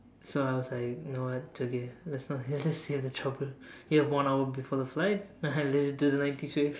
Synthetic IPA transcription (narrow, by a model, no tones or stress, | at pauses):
soaɪwɔzlaɪkjnowʌt̚d͡ʒ̥oɡɛlɛtsnɔid͡ʒʌstsevðətʰɹ̥ʌbəljuhɛvwʌ̃naʊəbifɔɹðəflaɪt̚anlɛtsiduðənãɪ̃ntiswe